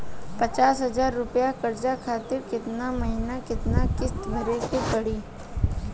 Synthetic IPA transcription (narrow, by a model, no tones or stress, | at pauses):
pɐt͡ʃaːsɦɐzaːɾːʊpjakɐɾd͡ʒakʰaːt̪ɪɾkɪt̪namɐɦɪnakɪt̪nakɪst̪bʱɐɾekepɐɽiː